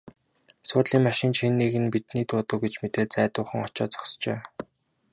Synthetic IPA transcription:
sʊːrɮiːŋmaʃɪ̆nt͡ɕxenːeɣɘ̆npit̪niːt̪ʊːt̪ə̆k̚ɡet͡ɕmet̪eːɮt͡sæːt̪ʊːχə̆ŋɔt͡ɕɔ̰ːt͡sɔ̥kst͡ɕeː

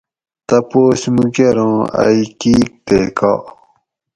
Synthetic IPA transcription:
t̪ɐpoːsmukeɾõːa̰jkiːk̚t̪eːka̰

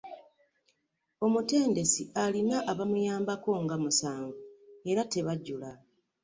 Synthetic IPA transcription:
o̞mute̞ːnde̞sialinaʔːβamujaːmbako̞ŋɡamusaːŋɡue̞ɾate̞βaɟula

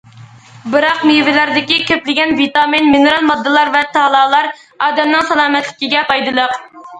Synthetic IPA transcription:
bɨɾɑqmivɪlæɾd̪ɪkʲikʲʰøplɪɡʲɛnvit̪ɑminminɨɾɑlˠmɑd̪ːɨlˠɑɾvɛt̪ʰɑːlˠɑːlˠɑɾ | ɑːd̪ɛmnɨŋsɑlˠɑːmɛt̪lɪkʲiɡʲɛpɑjd̪ɨlˠəq

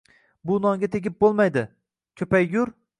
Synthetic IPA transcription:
bʊnɒŋɡʲat̪ʰeɡʲɪp̚bolˠmajd̪ɪ | kʲʰɵpajɡʲʊɾ

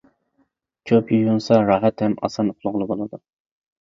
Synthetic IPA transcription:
t͡ʃʲʰøpʰjyjunsɑɾɑːɦɛt̪hɛmɑ̰sɑnqʰʊlˠʊʁlˠɨbolˠɨd̪u

